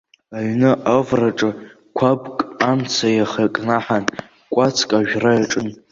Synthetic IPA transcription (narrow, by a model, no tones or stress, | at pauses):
aɥnɨʔavraʈ͡ʂʼɨ | kʷʰabkʼamt͡sʰajaχakʼnaħan | kʷʼat͡sʰkʼaʒᶣrajaʈ͡ʂʼɨn